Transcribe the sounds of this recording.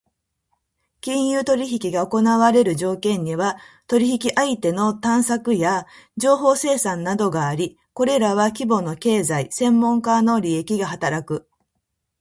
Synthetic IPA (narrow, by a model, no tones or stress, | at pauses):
kʲĩɰ̃jɯːt̪o̞ɾʲiçikʲiɡao̞ko̞naβaɾe̞ɾɯ̟ʑo̞ːkẽ̞ɲ̟ːiβat̪oɾʲiçikʲiʔait̪e̞no̞t̪ãɰ̃sakɯ̟jad͡ʑo̞ːɦo̞ːse̞ːsãnnːad̪o̞ɡaːɾʲi | ko̞ɾe̞ɾaβakʲibo̞no̞ke̞ːzaisẽ̞mːõ̞ŋkano̞ɾʲie̞kʲiɡaɦat̪aɾakɯ̟